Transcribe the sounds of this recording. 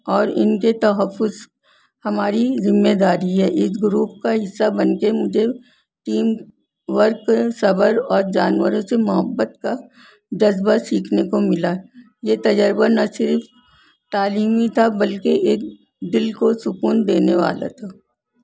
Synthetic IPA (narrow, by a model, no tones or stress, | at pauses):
ɔːɾɪ̰nket̪ɐɦəfːʊz | hɐmaːɾizɪmːed̪aːɾiɦɛːʔɪs̬ɡɾuːp̚kaɦɪsːabɐnkemʊd͡ʒʱe | ʈiːm | ʋəɾksɐbəɾɔːɾd͡ʒaːnwəɾõsemʊɦəbːət̪̚ka | d͡ʒɐzbasiːkʰnekomɪla | jet̪ɐd͡ʒəɾbanɐsɪɾf | t̪aːliːmit̪ʰabɐlkeʔeːk̚ | d̪ɪlkosʊkuːnd̪eːneʋa̰ːla̰t̪ʰaː